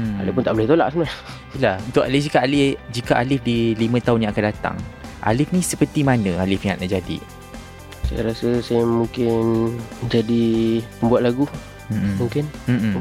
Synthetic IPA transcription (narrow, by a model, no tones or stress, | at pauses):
a̰lɪpʊnt̪aʔbolɛht̪ola̰ʔsənas | ilahunt̪ʊkalɪd͡ʒikaalɪd͡ʒikaʔalɪfdilimə̃t̪aʊnjãŋakandat̪a̰ŋʔa̰lɪfnĩsəpərt̪imanə̃alɪfjaŋa̰ʔna̰ʔd͡ʒadḭ | sa̰ja̰ɾasəsajamuŋkɪnd͡ʒadiməmbuat̪̚laɡu | muŋkɪnm̩m